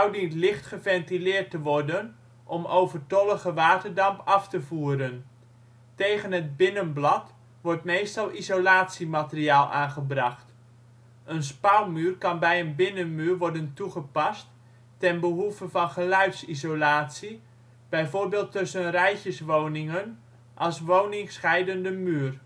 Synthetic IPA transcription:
awdintlɪχtχəvɛntilɪːrtəʋɔrdən | ʔɔmowvərtɔlˠəɣəʋaːtərdɑmpʰɑftəvuːɾən | tejɣənɦət̚bɪnənblɑt | ʋɔrtmeːstɑlˠizolaːtsimatəriaːlˠʔa̰ːnχəbrɑχt | ʔənspawmyːrkɑnbɛjənbɪnənmyːrʋɔrdəntuχəpɑstː | ɛnbəɦuvəvɑnχəlœɥtsizowlaːtsi | b̥ɛjvoːrbeːlˠtːøsənrɛjçəsʋownɪŋən | ʔɑlˠsʋownɪŋsχɛjdəndəmyːər

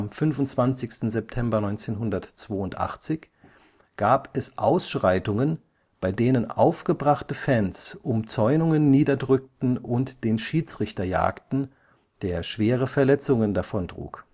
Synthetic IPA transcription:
amfʏnvʊntt͡sv̥ant͡sɪçstn̩zɛp̚tʰɛmbɐnɔʏnt͡seːnɦʊndɐtt͡sv̥oːʊntʔa̰χt͡sɪç | ɡ̥aːpɛsʔaʊsʃʁ̥aɪtʊŋən | b̥aɪdeːnəna̰ʊfɡ̥əbʁaχtəfɛnsʔʊmt͡sɔʏnʊŋənːiːdɐdʁʏk̚tn̩ʊntd̥eːnʃiːt͡sʁ̥ɪçtɐja̰ːktn̩ | d̥eːɐʃv̥eːʁəfɛɐlɛt͡sʊŋəndafɔndʁ̥ṵːk

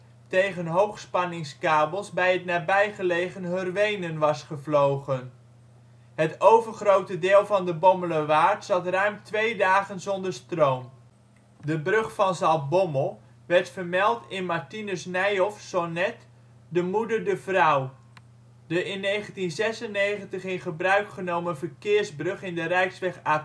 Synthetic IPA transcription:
tejχənɦowχspɑnɪŋskaːbəlˠzbɛjɦətnaːɹbɛjχəlejχənɦørʋejnənʋɑsχəvlowχən | ɦətowvəɹχrowtədɪːlˠvɑndəbɔmələʋaːɹtsɑtrœɥmtʋejdaːχənzɔndəɹstrowm | dəbrɵχfɑnzɑlˠbɔməlˠ | ʋɛɹtfəɹmɛlˠtɪnmaɹtinəsnɛjɔfsɔnɛt | dəmudəɹdəvrʌw | dəʔɪnːejχəntinzɛsənejχəntəχɪnχəbrœɥkχənowmənvəɹkɪːɹzbrɵχɪndərɛjksʋɛχaː

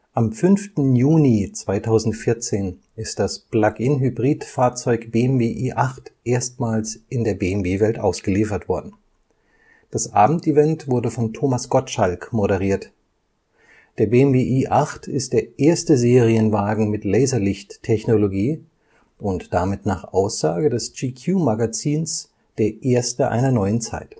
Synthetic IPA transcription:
ʔamfʏnftn̩juːnit͡sv̥aɪtʰaʊzn̩tfɪɐt͡seːn | ɪstd̥asb̥lakɪnɦybʁiːtfaːɐt͡sɔʏkb̥eːɛmbeːʔiːʔaχtʔeːɐstmaːlsʔɪndeːɐbeːmbeːvɛltʔa̰ʊsɡ̥əliːfɐtv̥ɔɐdn̩ | d̥asʔaːbm̩tivɛntv̥ʊɐdəfɔntʰoːmasɡ̥ɔtʃalkmoɾəʁ̞iːɐt | d̥eːɐbeːɛmbeːʔiːʔaχtʰɪst̚d̥eːɐʔeːɐstəzeːʁiənvaːɡŋ̩mɪtlɛɪzɐlɪçtʰːɛçnoloɡiː | ʔʊntd̥amɪtna̰ːχʔaʊsz̥aːɡədɛsd͡ʒiːkʰjuːmaɡat͡siːns | d̥eːɐʔeːɐstəʔa̰ɪnɐnɔʏənt͡sa̰ɪt

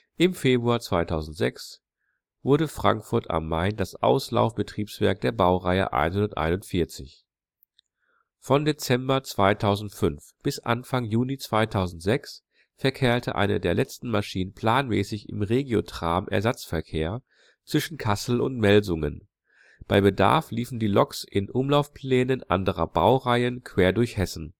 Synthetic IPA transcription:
ʔɪmfeːbʁuaːɐt͡sv̥aɪtʰaʊzn̩tz̥ɛks | vʊɐɾəfʁ̥a̰ŋkfʊɐtʰa̰mːaɪndasʔa̰ʊsla̰ʊfb̥ətʁ̥iːpsv̥ɛɐk̚d̥eːɐbaʊʁaɪə̰ʔa̰ɪnhʊndɐtʔa̰ɪnʊntfɪɐt͡sɪ̰ç | fɔndet͡sɛmbɐt͡sv̥aɪtʰaʊzn̩tfʏnfb̥ɪsʔa̰nfaŋjuːlit͡sv̥aɪtʰaʊzn̩tz̥ɛks | fɛɐkʰɛːɐtʰəʔa̰ɪnə̰deːɐlɛt͡stn̩maʃiːnənpʰl̥aːnmɛ̰ːsɪçɪ̰mʁeːɡjotʁ̥aːmʔɛ̰ɐzat͡sfɛɐkʰeːɐ | t͡sv̥ɪʃn̩kʰasl̩ʊ̰ntmɛlzʊŋə̰n | b̥aɪbəda̰ɐfliːfn̩diːlɔksɪnʔʊmlaʊfpʰl̥ɛːnənʔa̰ndəʁɐba̰ʊʁaɪənkʰv̥eːɐdʊɐçhɛsn̩

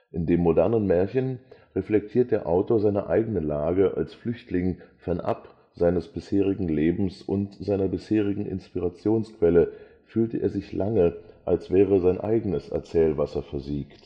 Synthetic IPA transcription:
ʔɪndeːmːodɛɐnənmɛːɐçənʁɛflɛk̚tʰiːɐt̚d̥eːɐʔaʊtoːɐzaɪnɐ̰ʔa̰ɪɡənəlaːɡəʔa̰lsflʏçtlɪŋfɛɐnʔa̰p | z̥aɪnəsb̥ɪsheːʁ̞ɪɡŋ̩leːbm̩sʔʊntz̥aɪnɐbɪsheːʁɪɡŋ̩ʔɪ̰nspiʁat͡sjoːnskv̥ɛlə | fyːltəʔeːɐzɪçlʔaŋəʔalsv̥ɛːʁ̞əzaɪnʔa̰ɪɡənəsʔɛ̰ɐt͡sɛːlvasɐfɛɐziːkt

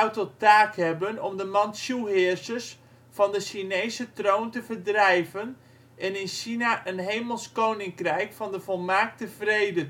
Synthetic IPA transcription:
awtɔtaːkhɛbənɔmdəmɑntsjuɦɪɹsəs | fɑndəʃinejsətroːntəvərdrɛjvən | ʔɛnɪnʃinaʔənɦejməlˠskownɪŋkrɛjkfɑndəvɔlˠmaːk̚təvrejdə

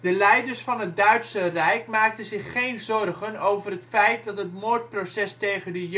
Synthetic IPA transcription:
dəlɛjdərsfɑnɦət̚dœɥtsərɛjkmaːk̚tənzɪχːejnzɔrχənowvərɦətfɛjt̚dɑtɦətmoːɹt̚prosɛstejχəndəj

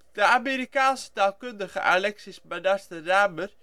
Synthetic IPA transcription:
d̥əameːɾikaːnsə̥taːlˠkɵndəχə̰ʔalɛksismadastəraːmər

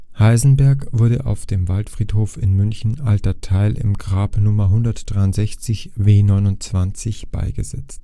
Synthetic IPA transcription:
haɪzn̩bɛɐkv̥ʊɐdə̰ʔa̰ʊfd̥eːmvaltfʁ̥iːthoːfɪnmʏnçn̩altɐtʰaɪlʔɪ̰mɡʁaːpnʊmɐɦʊndɐtd̥ʁaɪʊntz̥ɛçt͡sɪçveːnɔʏnʊntt͡sv̥ant͡sɪçb̥a̰ɪɡəzɛ̰t͡st

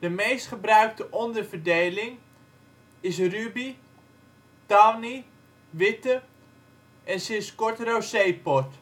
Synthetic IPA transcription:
d̥əmejstχəbrœɥk̚təʔɔndəɹvərdejlɪŋ | ɪs̬rybi | tɔni | ʋɪtə | ɛnsɪskɔɹtrowsejpɔt

